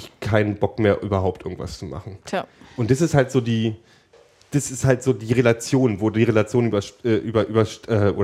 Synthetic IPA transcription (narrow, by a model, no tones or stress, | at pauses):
ɪçkʰaɪnənbɔkmeːɐʔyːbɐɦaʊp̚tʰʔɪɐɡŋ̩tv̥a̰st͡suma̰χn̩ʔʊntd̥as̬ɪsthaltz̥oːdiː | d̥asɪsthaltz̥oːdiːʁelat͡sjoːnvoːddiːʁelat͡sjoːnʔyːbɐʃʔɛːʔyːbɐʔyːbɐʃʔɛːʔoː